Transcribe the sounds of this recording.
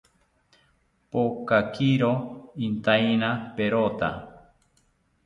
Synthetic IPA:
pokakiɾoint̪ajnapeɾot̪a̰

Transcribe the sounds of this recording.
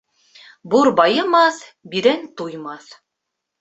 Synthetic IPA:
buɾbɑjɤ̆mɑθbiɾænt̪ujmɑθ

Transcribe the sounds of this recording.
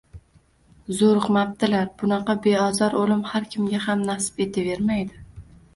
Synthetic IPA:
zoɾqmap̚t̪ɪlaɾb̥ʊnɑqɑbe̞ɒzɒɾʔolɪmhaɾkʲʰɪmɡʲahamnasɪ̥pe̞t̪ʰɪve̞ɾmajd̪ɪ

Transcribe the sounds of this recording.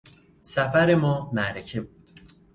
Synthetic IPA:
sæfæɾe̞mɒːmæɾecʰe̞buːd̪̥

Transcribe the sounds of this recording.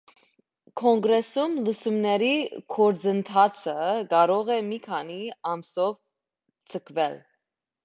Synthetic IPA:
kʰɔŋɡɾɛsumlusumnɛɾikʰɔɾd͡zənt̪ʰɑt͡sʰəkɑɾɔʁɛmikʰɑniɑmsɔv | t͡sʰəkʰvɛl

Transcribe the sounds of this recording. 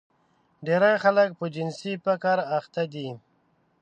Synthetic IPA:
ɖeɾaxalək̚pəd͡ʒɪnsipakaɾaxt̪ad̪i

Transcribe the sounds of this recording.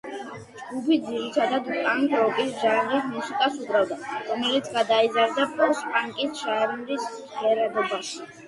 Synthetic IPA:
d͡ʒɡupʰid̪ziɾit̪ʰad̪ad̪pʼaŋkʼɾɔkʼisʒanɾismusikʼasubɾavd̪aɾɔmɛlit̪sʰɡad̪aizaɾd̪apʼɔɾspʼaŋkʼisʃaɛɾnlis | χiɛɾɛbɔbaʃi̥

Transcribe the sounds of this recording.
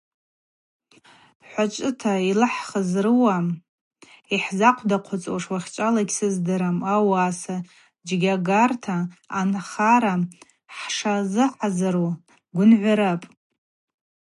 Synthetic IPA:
ħʷat͡ʃʷʼɨtʰailɨħχəzrɨwam | iħzaqʷʰdaqʷʰʊt͡sʼoʂwaχʲt͡ʃʷʼalaɡʲsɨzdɨɾamawaːsa | d͡ʒɡʲaɡartʰaːnχaɾa | ħʂazɨħazaɾu | ɡʷʊnʕʷaɾapʼ

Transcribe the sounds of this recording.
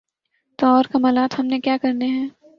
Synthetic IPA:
t̪oɔːɾkɐməlaːt̪ɦhɐmnekjaːkɐɾneɦɛ̃ː

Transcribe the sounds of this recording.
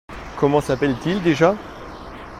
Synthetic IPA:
kɔmɑ̃sapɛlt̪ild̪eʒa

